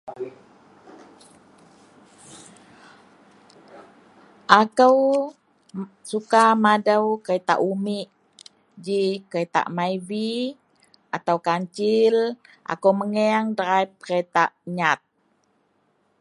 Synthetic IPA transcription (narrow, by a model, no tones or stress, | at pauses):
ʔakəw | sukamadəwkəɾet̪a̰ʔumiʔ | d͡ʒikəɾet̪a̰ʔmaivi | ʔat̪awkaɲt͡ʃɪlʔa̰kəwməŋeaŋdəɾaip̚kəɾet̪aʔɲat̪̚